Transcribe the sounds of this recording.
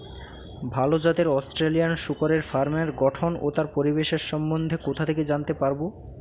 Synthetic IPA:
bʱalod͡ʑat̪eɾɔsʈɾelijanʃukoɾeɾfaɾmeɾɡɔʈʰono̰t̪aɾpoɾibeʃeɾʃɔmːond̪ʱekot̪ʰat̪ʰeked͡ʑant̪epaɾbo

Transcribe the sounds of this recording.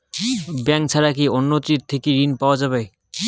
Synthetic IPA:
bɛŋt͡ɕʰaɾakionːot̪ɾiɾ̚t̪ʰekiɾinpaoad͡ʑaβe

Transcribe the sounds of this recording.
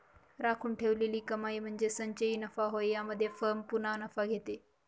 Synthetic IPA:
ɾakʰuːnʈʰeʋleliːkəmaiːm̤əɳd͡zesəɲt͡ɕəiːnəfaɦojjaməd̪ʱːjefəɾmpunanəfaɡʱet̪e

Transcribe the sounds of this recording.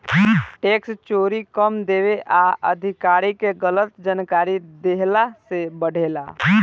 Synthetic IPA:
ʈeːkst͡ʃoːɾikəmd̪eːʋeʔaʔə̰d̪ʱɪkaːɾikeɡələt̪d͡ʒənkaːɾid̪eɦlasebəɽ̤ʱeːla̰ː

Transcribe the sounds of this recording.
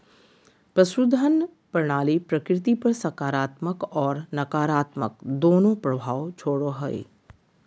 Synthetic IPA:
pɾɐsɾud̪ʱənpɐɾɳ̃aːlipɾɐkɾɪt̪̬ipɐɾsɐkaːɾaːt̪məkɔːɾnɐkaːɾaːt̪mə̰k̚d̪oːnõpɾɐbʱaːʋt͡ʃʰoːɽoɦɐḛ

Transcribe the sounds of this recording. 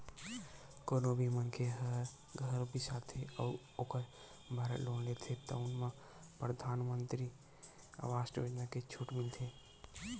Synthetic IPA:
koːnobʱimənkʰeɦəɾ | ɡʱəɾbʱisaːt̪ʰeə | oːkəɾ | bʱaɾəloːnlet̪ʰet̪ɔ̰ʊnmã | pɾəd̪ʱaːnmənt̪ɾi | ə̰ʋaːʃʈəʋod͡ʒnaket͡ʃʰuʈmɪlt̪ʰe

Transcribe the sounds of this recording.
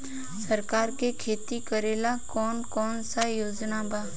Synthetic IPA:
səɾkaːɾkekʰeːt̪ikəɾeːlakɔːnkɔːnsajoːd͡ʒnabʱaː

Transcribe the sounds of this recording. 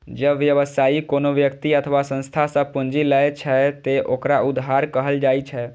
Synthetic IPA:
d͡ʒəbʋjəʋəsaikonoʋjəkt̪iət̪ʰəʋasə̃nst̪ʰasə̃pund͡ʒilət͡ʃʰɛt̪eʔokɾaʊd̪ɦaɾkəɦəld͡ʒaːit͡ʃʰɛ

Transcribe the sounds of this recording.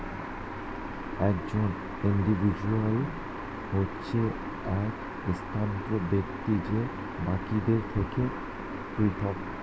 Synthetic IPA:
ɛkd͡ʑon | iɳɖivʱid͡ʑual | hotːɕʰe | ɛk | st̪ʰant̪ɾobekt̪id͡ʑe | bakid̪eɾt̪ʰeke | pɾit̪ʰɔb

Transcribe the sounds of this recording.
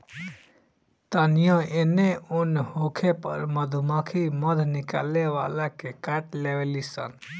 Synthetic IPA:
t̪anjɔ̃eneunhokʰepə̰ɾməd̪ʱumakʰiməd̪ʱnika̰leʋa̰lakekaʈleʋelisə̰n

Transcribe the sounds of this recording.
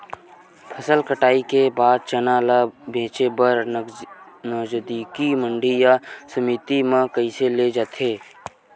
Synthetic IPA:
pʰəsəlkəʈaːikebaːd̪̚t͡ʃənaːlabẽːt͡ʃebəɾ | nɔːd͡ʒəd̪ikiməɳɖijasəmit̪imãkəɪseled͡ʒat̪ʰeː

